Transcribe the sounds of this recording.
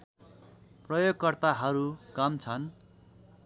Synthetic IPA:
prʌjoɡkʌrt̪aɦʌɾukamt͡sʰʌn

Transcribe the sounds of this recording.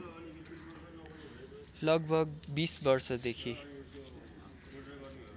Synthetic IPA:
lʌɡbʱʌɡbisbʌrsʌd̪ekʰi

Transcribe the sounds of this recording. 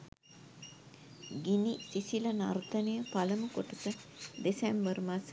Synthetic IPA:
ɡinisisilɐnart̪ənəjəpaləməkoʈəsəd̪esɛmbərmas

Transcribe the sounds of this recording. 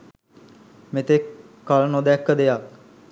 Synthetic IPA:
met̪ekː | alənod̪ɛkːəd̪ejak̚

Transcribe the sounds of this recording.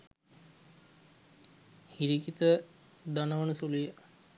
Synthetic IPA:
hiɾikit̪ə | d̪anəʋənəsulujə

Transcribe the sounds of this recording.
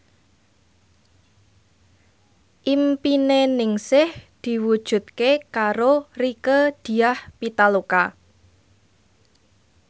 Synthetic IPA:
ʔimpinenɪŋsɪhd̪̥i̤wud̥ʒ̥ṳt̪̚kekaɾorikəd̪̥i̤ahpit̪aloka

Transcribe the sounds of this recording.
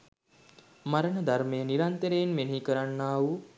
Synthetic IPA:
maɾənəd̪aɾmejəniɾant̪əɾejenmenikəɾanːaːu

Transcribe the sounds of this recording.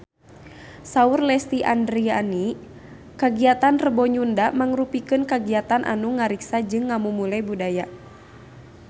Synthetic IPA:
saurlɛst̪iʔa̰ndɾia̰ni | kaɡiat̪anrəbɔɲundamaŋrupikɨnkaɡiat̪anʔa̰nuŋaɾiksad͡ʒɨŋːamumulɛbudaja

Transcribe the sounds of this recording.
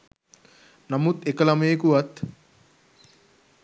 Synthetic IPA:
nɐmut̪ekɐlɐmeekuʋɐt̪

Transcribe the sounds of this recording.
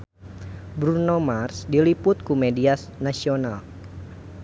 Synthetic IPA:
bɾunomarsdilipʊt̪̚kumediasnasional

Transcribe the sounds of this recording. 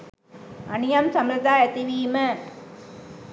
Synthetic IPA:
ɐnɪjɐmsɐmɾɐd̪aːjɐt̪iʋiːmɐ

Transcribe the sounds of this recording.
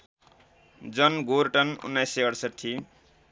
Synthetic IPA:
d͡zʌnɡoɾʈʌnṵnːajseʌɽsʌʈʰːi

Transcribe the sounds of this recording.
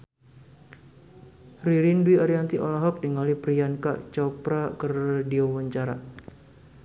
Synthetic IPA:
riɾinduiaɾiant̪iʔɔ̰laɦɔk̚diŋalipɾianka̰t͡ʃɔpɾakərdiɔwaɲt͡ʃaɾa

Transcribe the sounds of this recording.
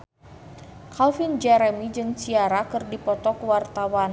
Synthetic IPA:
kʰalfind͡ʒɛɾɛmid͡ʒɨŋsiaɾakɨrdipɔt̪ɔkwart̪awan

